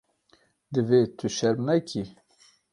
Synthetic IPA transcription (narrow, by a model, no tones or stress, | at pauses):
d̪ɨveːt̪ʰɨʃɛɾnɛkʰi